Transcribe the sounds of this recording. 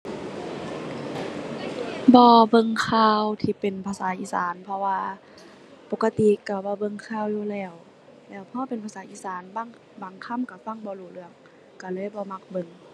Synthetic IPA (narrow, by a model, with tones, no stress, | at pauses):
bɔː˧bɤ˧˨ŋkʰaː˧˩wt̪ʰiː˧˩pe˨npʰaː˧saː˨˦ʔiː˧˥sa̰ː˨˦npʰɔ˧waː˧ | po˧˦kːa˧t̪i˧˨ka˧˩bɔː˧˦bɤ˧˨ŋkʰaː˧˨wjuː˧lɛː˧˩w | lɛː˧˩wpʰɔ˧a˧pe˨npʰa˧saː˨˦ʔiː˧˨saː˨˦nba˧˥˨ŋ | baː˨˩˦ŋkʰa˧˥˨mka˧˩fa˧˥˨ŋbɔː˧˦luː˧˩lɯ˧˩˨əŋ | ka˧˩lɯ˧˥˨jbɔː˧˦ma˧k̚bɤ˧˨ŋ